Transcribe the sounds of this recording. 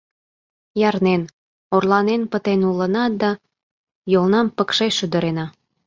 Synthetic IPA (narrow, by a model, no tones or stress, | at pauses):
jɑrnen | orlɑnenpət̪enulənɑt̪̚d̪ɑ | jolnɑmpəkʃeʃyd̪ə̆ɾenɑ